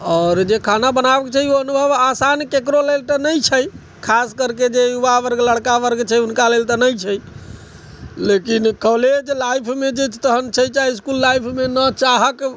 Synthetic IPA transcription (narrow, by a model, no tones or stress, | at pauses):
ɔɾd͡ʒekʰanabənabəket͡ʃʰaɦioənubʱəbasankekɾolelt̪ənəjt͡ʃʰəj | kʰaskəɾked͡ʒejubaʋəɾɡləɽkaʋəɾɡt͡ʃʰəjunkalelt̪ənəjt͡ʃʰəj | lekinkəled͡ʒlajpʰmed͡ʒet͡ʃʰt̪əɦənt͡ʃʰəjt͡ʃaɦiiskulːajpʰmenət͡ʃaɦək